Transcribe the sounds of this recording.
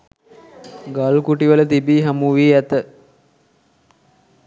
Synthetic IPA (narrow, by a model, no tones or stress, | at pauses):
ɡalkuʈiʋələt̪ibiːɦamuʋiːæt̪ə